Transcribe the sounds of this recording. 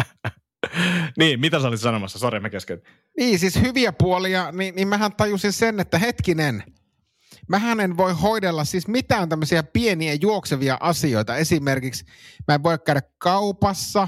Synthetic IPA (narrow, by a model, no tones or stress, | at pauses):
niːmmit̪æsolit̪sɑnomɑsːɑsoremːɑkesken | niːsishyʋiæpuoliɑninimmæɦænt̪ɑjusinsenːet̪ːæɦet̪kinen | mæɦænenʋoihoidelːɑssiːsmit̪æːnt̪æmːøsiæpieniæjuokseʋiɑ̰ʔɑsio̞it̪ɑesimerkiks | mæeʋʋoijɑkkæyɾækkɑupɑsːɑ